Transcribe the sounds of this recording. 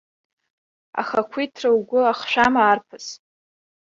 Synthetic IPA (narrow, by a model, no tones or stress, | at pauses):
a̰χakʷʰitʰrawɡʷʊaχʃʷᶣamaːrpʰɨs